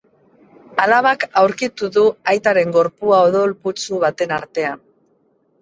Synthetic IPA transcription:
alaβakawɾkit̪uðuajt̪aɾe̞ŋɡo̞ɾpuaoðolput͡suβ̞at̪e̞naɾt̪e̞an

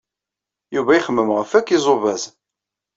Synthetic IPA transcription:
juvæjiχəmːəmʁəfækːizˤovæz

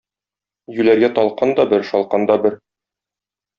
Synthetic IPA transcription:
jʉlæɾɡæt̪ɒlˠqɑnd̪ɒbɘɾʃɒlˠqɑnd̪ɒbɘɾ

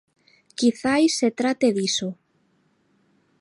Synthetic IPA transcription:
kiθajsːet̪ɾat̪eðiso

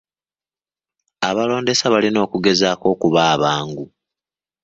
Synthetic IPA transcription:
aβalo̞ːnde̞saβalino̞ːkuɡe̞zaːko̞ːkuβaːβaːŋɡu

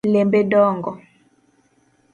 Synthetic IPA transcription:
lembedɔːŋɡɔ

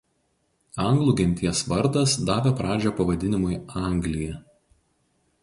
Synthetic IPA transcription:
ɐŋɡlˠuːˑɡʲɛnʲt̪ʲiɛsʋɐɾd̪ɐsd̪ɑːʋʲɛpɾɑːd͡ʒʲopɐʋɐd̪ʲɪnʲɪmʊɪɑˑŋʲɡlʲɪjɛ

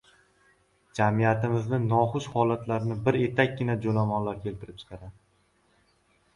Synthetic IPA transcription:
d͡ʒamijat̪ɪmɪznɪnɒχʊʃhɒlat̪ʰlaɾnɪbɪɾe̞t̪ʰakʲɡʲɪnad͡ʒolamɒnlaɾkʲʰe̞lt̪ɪɾɪp̚t͡ʃʰɪ̥qʰɑɾad̪ɪ

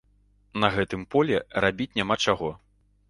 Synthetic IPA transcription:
nɐɣɛt̪ɨmpɔlʲɛrabʲit͡sʲnʲamat͡ʂaɣɔ

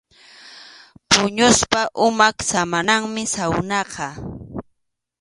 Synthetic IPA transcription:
pʊɲʊspaʔʊmaksamanaŋmɪsawnɑqʰɑ

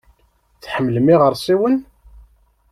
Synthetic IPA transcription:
θħəmːlmiʁəɾˤsˤiwən

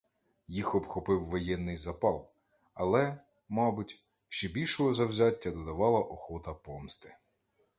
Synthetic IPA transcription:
jixɔbxɔpɪwːɔjɛnːɪjzɐpɑlˠ | ɐlˠɛ | mɑbʊtʲ | ʃt͡ʃɛbʲilʲʃɔɦɔzɐwzʲatʲːɐd̪ɔd̪ɐʋɑlˠɐʔɔxɔt̪ɐpɔmst̪ɪ̥

